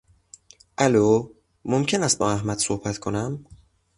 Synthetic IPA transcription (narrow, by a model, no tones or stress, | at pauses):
ʔæloː | momcʰe̞næst̪̚bɒːæhmæd̪̥sohbæt̪kʰonæm